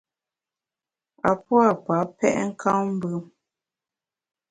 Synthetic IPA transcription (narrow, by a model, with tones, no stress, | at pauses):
a˨pwa˦˨pa˨˦pɛ˦ʔŋ̩˦kʰa˦m̩˦bʉ˦